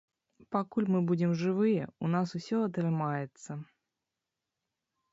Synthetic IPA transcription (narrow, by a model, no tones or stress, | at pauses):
pɐkulʲmɨbudʲɪmʐɨvɨjəʊnasʊfsʲoɐt̪ɾɨmajɪt̪sə